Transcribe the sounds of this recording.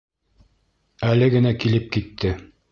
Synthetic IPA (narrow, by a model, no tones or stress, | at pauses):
ælɘɡɘ̆nækilɘp̚kit̪ʰːɘ